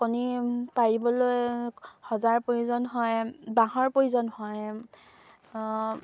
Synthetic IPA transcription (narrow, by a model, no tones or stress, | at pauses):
konipaɹibɔlojhɔzaɹpojzɔnɦɔjbaɦɔɹpojzɔnhɔj